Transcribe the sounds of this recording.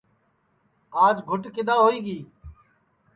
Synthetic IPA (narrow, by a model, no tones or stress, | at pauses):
aːd͡ʒɡʱʊʈkɪd̪aːɦoːiːɡiː